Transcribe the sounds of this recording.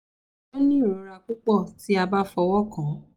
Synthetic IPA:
o˦nĩ˦˨ɾo˨˧ɾa˧k͡pu˦k͡pɔ˦˨ti˨˦a˧ba˦fɔ˧wɔ˦kã˨˦

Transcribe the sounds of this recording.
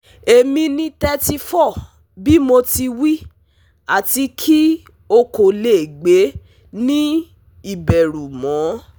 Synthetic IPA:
e˨mĩ˧nĩ˧tɛ˧ti˧fɔ˦˨ | bi˦mo˧ti˧wi˦ | a˦˨ti˧kʰi˦ | o˧ko˨le˨ɡ͡be˨˦ | nĩ˦ | i˦˨bɛ˨ɾu˨mɔ̃˨˦

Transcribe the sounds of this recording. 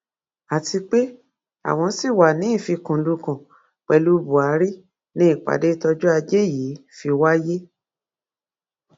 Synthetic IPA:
a˨tʰi˧k͡pe˦ | a̰˨w̃ɔ̃˧si˦˨wa˨nĩ˨˦i˦˨fi˧kũ˨˦du˧kã˨ | k͡pɛ˧lu˧˦bu˨a˨˦ɾi˦ | nĩ˦i˦˨k͡pa̰˨de˦tɔ˧d͡ʒɔ˦a˧d͡ʒe˦˨ji˨˦fi˧wa˦je˦

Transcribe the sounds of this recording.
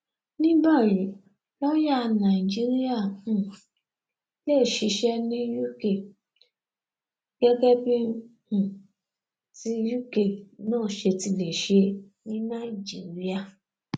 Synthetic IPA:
nĩ˦ba˦˨ɾĩ˨˦ | lɔ˦ja˦˧na˨i˨d͡ʒi˦ɾi˦a˦˨ũ˨ | le˦˨ʃi˨˧˦ʃɛ˦nĩ˦ju˦ke˦˨ | ɡ̥ɛ˦ɡɛ˦bi˦hũ˦˨ | ti˦ju˦ke˨nãː˦˨ʃe˧ti˧le˨ʃe˧˦ | nĩ˦na˦˨i˨d͡ʒi˨ɾi˦a˦˨

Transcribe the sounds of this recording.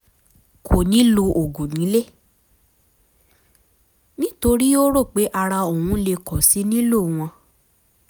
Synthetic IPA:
kʰo˨nĩ˨˦lo˧ʔo˨ɡo˨nĩ˨˦le˦˨ | nĩ˦to˧ɾi˦o˦ɾo˦˨k͡pe˨˦ʔa˧ɾa˧o˨wũ˨˦le˧kɔ˨si˨˦nĩ˦lo˦˨w̃ɔ̃˧

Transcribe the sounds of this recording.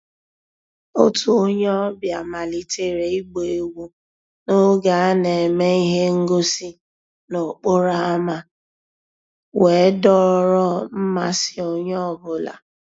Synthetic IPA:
o˦tʰu˦o˦ɲɔ˦ɔ˦bja˨ma˨li˨te˦ɾe˨i˦ɡ͡be˨e˨wu˦ | no˦ɡa˨a˦ne˨e˨me˦i˦ɦe˦ŋ̩˦ɡo˦si˦ | no˨k͡po˦ɾa˦a˦ma˦ | we˨˦dɔ˦˨ɾɔ˦m̩˦ma˦sɪ˦o˦ɲɔ˦˨bʊ˨la̰˨

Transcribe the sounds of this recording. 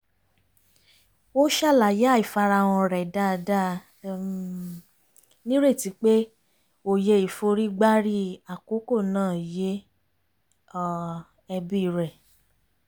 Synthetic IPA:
o˦ʃa˦˨la˨ja˦i˨fa˧ɾa˧w̃ɔ̃˧ɾɛ˨da˦˨˧da˦ | nĩ˦ɾe˦˨ti˨˦k͡pe˦ | o˨je˧i˨fo˧ɾi˦ɡ͡ba˦ɾi˦˨a˨ko˨˦ko˦˨nãː˦˨je˦˧ | ɛ˧bi˦˧ɾɛ˨

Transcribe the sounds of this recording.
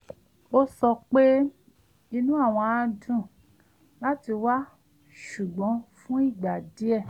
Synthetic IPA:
o˦sɔ˧k͡pe˦ | i˧nũ˦a˦˨w̃ɔ̃˧a˧dũ˦˨ | la˦ti˧wa˦ | ʃu˨ɡ͡bɔ̃˨˦fũ˦i˦˨ɡ͡ba˨di˨˦ɛ˦˨

